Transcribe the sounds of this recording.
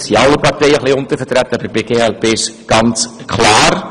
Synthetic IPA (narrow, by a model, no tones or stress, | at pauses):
sjaləpɐrtəjəχləjɔntəfərtɾæt̚dɐpipekeælpeːsɡ̥ɐnskʰlɑːr